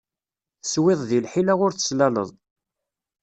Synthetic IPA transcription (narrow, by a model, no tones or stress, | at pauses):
θəswɪðˤðilħilaʁʊɾθə̥slælə̰ðˤ